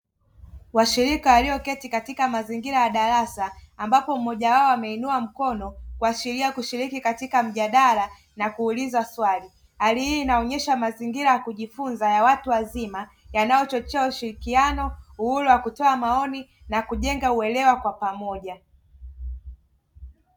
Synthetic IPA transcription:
waʃiɾikawaliɔkɛtikatikamaziŋɡiɾajaɗaɾasaːmbapɔm̩mɔʄawaɔamɛinuam̩kɔnɔkuasiɾiakuʃiɾikikatikam̩ʄaɗaɾa | nakuːlizaswali | halihinaɔɲɛʃamaziŋɡiɾajakuʄifunzajawatuwazima | janajɔt͡ʃɔt͡ʃɛauʃiɾikianɔuhuɾuwakutɔamaɔninakuʄɛŋɡauɛlɛwakwapamɔʄa

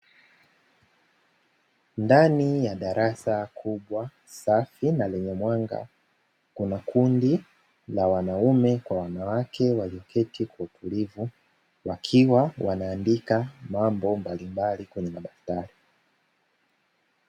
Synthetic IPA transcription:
ndanijaɗaɾʔasakʰuɓwa | safinalɛɲɛmwaŋɡa̰ | kunakʰundi | lawanaumɛkwawanawakɛwaliɔkʰɛtikwautʰulivu | wakʰiwawʔanaːndikamambɔmbalimbalikwɛɲɛmaɗaktaɾi

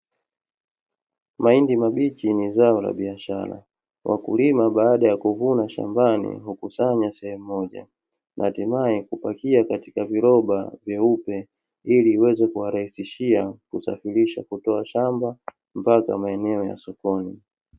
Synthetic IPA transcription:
maindimaɓit͡ʃinizaɔla̰ɓiaʃa̰ɾa̰ | wʔa̰kṵlimaɓaːɗajakuvunaʃa̰mbanḭɦukusaɲasɛhɛmuːɔʄa̰ | nʔatimaɛkupakiakatikaviɾɔɓa̰vjaupɛ | iliːwɛzɛkuwaɾahisiʃiakusa̰fiɾiʃa̰kutɔaʃamba | m̩paka̰maɛnɛɔja̰sɔkɔni

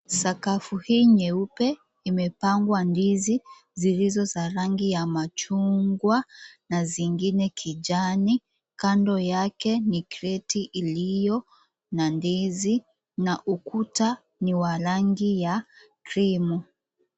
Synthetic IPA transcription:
sakafuhiːɲɛupɛ | imɛpaŋɡwandizi | zilizɔzaɾaŋɡijamat͡ʃuŋɡwanaziŋɡinɛkʰid͡ʒani | kandɔjakɛnikɾɛtiʔilijɔ | nandizi | naʔukuta | niwaɾaŋɡija | kɾimɔ

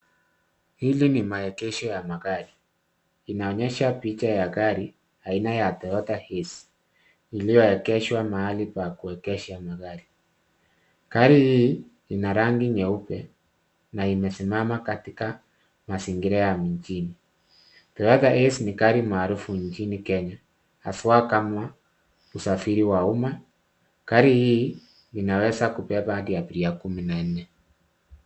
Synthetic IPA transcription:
hilinimaɛkɛʃɔjamaɣaɾi | inaɔɲɛʃapit͡ʃajakaɾi | ainajatɔjɔtahesi̥ | ilijɔɛkɛʃwamaalipakuɛkɛʃamaɣaɾi | kaɾiji | inaɾaŋɡiɲɛupɛ | naimɛsimamakatika | masiŋɡiɾɛjamiɲt͡ʃini | tɛjaðaʔesinikaɾimaɾufuɲt͡ʃinikɛɲa | aswakamwa | usafiɾiwauma | kaɾiji | inawɛsakupɛβadiapiɾiakuminan̩nɛ

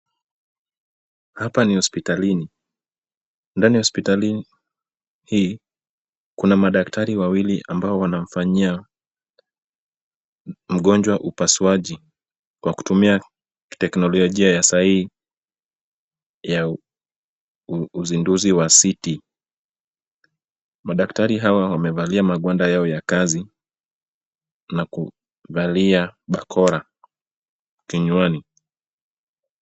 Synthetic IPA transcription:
hapanihɔspitalini | ndaniahɔspitalin | hiː | kunamaɗak̚tʰaɾiwawiliʔambaɔwanam̩faɲia | m̩ɠɔnd͡ʒwaʔupasuaʄi | kwaku̥tumia | ktɛknɔlɔlɔʄiajasahihi | ja | uzinduziwasiti | maɗaktaɾiɦawawamɛvaliamaɠwandajaɔjakazi | naku | valiaɓakʰɔɾa | kiɲwani

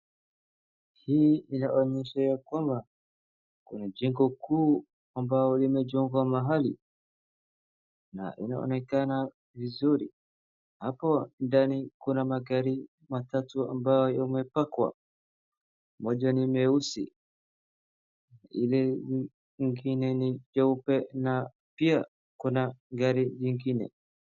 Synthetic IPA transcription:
hiːinaʔɔɲɛʃajakwamba | kunad͡ʒɛŋɡɔkuː | ambajɔlimɛd͡ʒɔŋɡwamaɦalḭ | na̰ʔḭna̰ɔ̰nɛkana | vizuɾi | hapɔndanikunamaɡaɾi | matatua̰mbaɔjɔmɛpakwa̰ | mɔʄanimɛusḭ | ilɛ | ŋɡinɛniʄɔupɛna | pia | kunaɡaɾiʄiŋɡinɛ̰

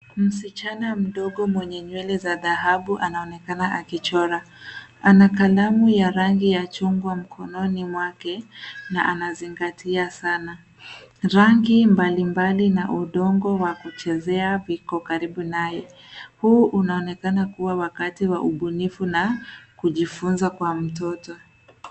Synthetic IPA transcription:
m̩sit͡ʃanam̩ɗɔɠɔmwɛɲɛɲwɛlɛzaðaɦaɓuʔanaɔnɛkanaʔakit͡ʃɔɾa | anakalamujaɾaŋɡijat͡ʃuŋɡwam̩kʰɔnɔnimwakɛnaʔanaziŋɡatʰiasana | ɾaŋɡimbalimbalinaʔuɗɔŋɡɔwakut͡ʃɛzɛavikɔkaɾiɓunajɛ | huʔunaɔnɛkanakuwawakatiwaʔuɓunifunakuʄifunzakwam̩tɔtɔ

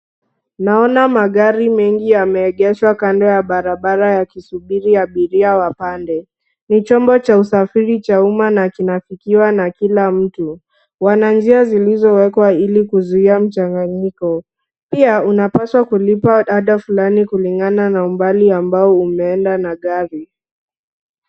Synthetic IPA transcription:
naɔnamaɠaɾimɛŋɡijamɛːɠɛʃwakandɔjaɓaɾaɓaɾajakisuɓiɾiaɓiɾiawapandɛ | nit͡ʃɔmbɔt͡ʃausafiɾit͡ʃaumanakinafikiwanakilam̩tu | wanand͡ʒiazilizɔwɛkwailikuzuiam̩t͡ʃaŋɡaɲikɔ | piaunapaswakulipaɗaɗafulanikuliŋɡananaumbaliambaɔumɛɛndanaɠaɾi

